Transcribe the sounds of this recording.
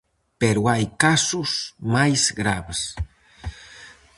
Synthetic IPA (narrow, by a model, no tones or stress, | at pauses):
peɾuajkasusmajzɡɾaβes